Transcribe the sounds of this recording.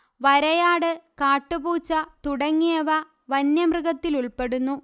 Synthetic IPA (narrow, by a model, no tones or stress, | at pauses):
ʋɐɾɐjaːɽɨkaːʈːɨbuːt͡ɕːɐt̪uɽɐŋːeɐʋɐ | ʋɐnjɐmrɨɣɐt̪ːiluɭpe̞ɽunːu